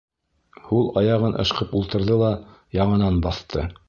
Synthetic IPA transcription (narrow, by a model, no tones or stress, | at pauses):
hulˠɑjɑʁɤnʔɤ̰̆ʃqɤpulˠt̪ɤ̆ɾðɤlˠɑjɑɴɤ̆nɑnbɑθt̪ʰɤ̰